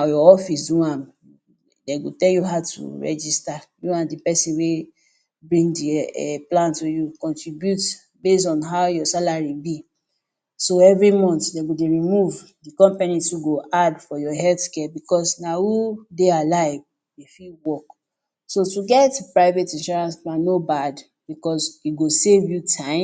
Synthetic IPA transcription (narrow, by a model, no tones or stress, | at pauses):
najɔɔfis̬dũãm | deɡotɛljuɦaʊtṵɹɛ̰d͡ʒistajuãndipɛsĩnwe | bɹĩŋɡdiɛ̰plãntujukɔ̃ntɹibjut | bes̬ɔ̃nɦaʊjɔsalaɹibi | soɛvɹimɔ̃ntdeɡodeɹimuv | dikɔ̃mpanituɡoʔadfɔjɔɦɛlθkɛbikɔsnawudealaɪv | defiwɔk | sotuɡɛtpɹaɪvetĩnʃɔɹãnsplãnːobad | b̥ikɔsiɡosevjutʰãɪ̃